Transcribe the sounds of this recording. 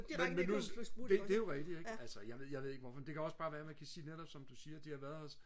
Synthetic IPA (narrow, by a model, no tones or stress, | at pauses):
menmenːusd̥ed̥e̝æjoʁɛɡ̥d̥ieɡælsəjɑʋe̝ð̞ˠjɑʋeð̞ˠeɡ̥ʋɒfɒ̽mend̥e̝kʰæɒ̽sb̥ɑ̈ːʋæːɐmænkʰæsiːneɾɒ̽b̥sɒ̽md̥usiːɐd̥ihɑ̈ʋæɐðˠɒ̽s